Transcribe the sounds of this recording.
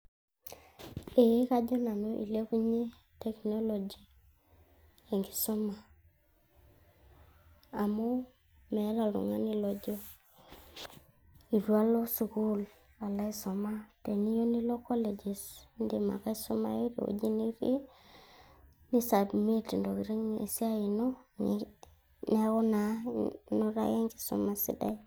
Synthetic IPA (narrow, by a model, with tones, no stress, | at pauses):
e˨˦ka˦d͡ʒɔ˦na˨no˦ʔḭ˨le˦ku˦ɲe˦ | tɛ˨kno˦lo˨d͡ʒi˨ | e˨ŋɡɪ˨sʊ˦ma˨ | a˨mo˦ | mɛ˨˦la˨lʊ̰˨ŋa˦nɪ˦lɔ˨d͡ʒɔ˦ | i˨ɾwa˦lɔ˦su˨ku˦l | a˨la˦i˦sɔ˨ma˦te˨ni˦jo˦ni˦lo˦kɔ˦le˨d͡ʒe˨snde˨ma̰˨ka˦i˦su˦ma̰˦i˦ɾo̰˨d͡ʒi˦ni˦ɾi˦ | ni˦sa˨bme˦ti˨ndo˨ki˨ɾi˦ŋḛ˨si˦a˦i˨no˦ | ne˦ɣo˦na˨no˦ɾa̰˦je˦ŋɡɪ̥˨sṵ˨ma˨sḭ˨da̰˦j